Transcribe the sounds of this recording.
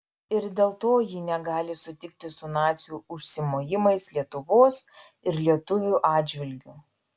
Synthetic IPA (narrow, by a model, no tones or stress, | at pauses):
ɪɾd̪ʲeːlˠt̪oːjinʲɛɡɑːlʲɪsʊt̪ʲɪk̚t̪ʲɪsʊnɑːt̪sʲjuːʊʃʲsʲɪmoːjɪmɐɪslʲiɛt̪ʊʋoːs | ɪɾlʲiɛt̪ʊʋʲuːˑʔɑːd̪ʲd͡ʒʲʋʲɪlʲɡʲʊ